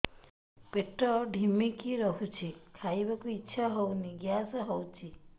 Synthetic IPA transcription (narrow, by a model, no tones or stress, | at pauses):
peʈɾɔɖʱimikiɾɔɦut͡ʃʰikʰajbakuitːʃʰaɦɔwniɡjasɔɦɔwt͡ʃʰi